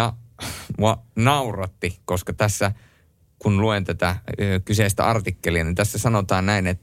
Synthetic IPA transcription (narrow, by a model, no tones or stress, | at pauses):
ɑmuɑnɑurɑt̪ːikoskɑt̪æsːæ | kunluent̪æt̪ækyseˑist̪æ̰ɑrt̪ikːeliɑnint̪æsːæsɑnot̪ɑːnnæinet̪ː